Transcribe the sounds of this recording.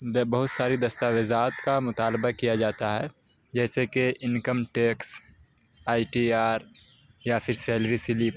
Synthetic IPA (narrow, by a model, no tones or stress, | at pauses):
d̪bɐɦʊt̪saːɾid̪ɐst̪aʋɪzaːt̪kamʊt̪aːlbakijad͡ʒaːt̪aɦɛ | d͡ʒɛːsekeʔɪnkəmʈeːks | aːiʈiːaːɾ | japʰɪɾseːlɾisɪliːp